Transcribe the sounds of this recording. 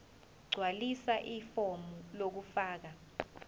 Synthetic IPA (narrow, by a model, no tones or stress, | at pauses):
ɡ͡ǀʱwalisaʔifɔmulok̬ufaːk̬a